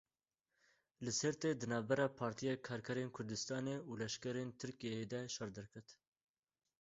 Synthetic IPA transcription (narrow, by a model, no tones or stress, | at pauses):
lɨsɛɾt̪ed̪ɨnɑːvbɛɾɑːpʰɑːɾt̪ʰijɑːkʰɑːɾkʰɛɾeːnkʰʊɾd̪ɨst̪ɑːneuːlɛʃkɛɾeːnt̪ʰɨɾkijejeːd̪ɛʃɑɾd̪ɛɾkʰɨɾt̪